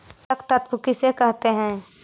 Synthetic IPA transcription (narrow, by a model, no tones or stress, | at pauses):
t̪ɐkt̪ət̪pʊkisekɛɦt̪eɦɛ̃ː